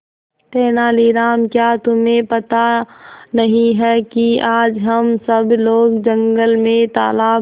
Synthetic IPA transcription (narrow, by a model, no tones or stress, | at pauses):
ʈ̪ɛːnaːliːɾaːmkjaːt̪ʊmẽpɐt̪anɐɦĩɦɛkiaːd͡ʒɦɐmsəbloːɡd͡ʒə̃ŋɡəlmẽt̪a̰ːlaː